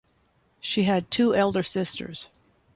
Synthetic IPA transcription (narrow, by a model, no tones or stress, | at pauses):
ʃiɨd̚tʰʉʔɛlˠdə˞sɪstə̰˞z̥